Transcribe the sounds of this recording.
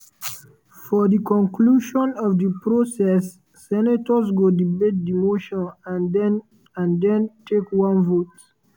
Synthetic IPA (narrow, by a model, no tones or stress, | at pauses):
fɔdikɔ̃nkʰluʃɔ̃nɔvdipɹosɛsː | ɛnatɔzɡodibet̚dimoʃɔ̃nɛ | ãndɛ̃ntʰekwãnvot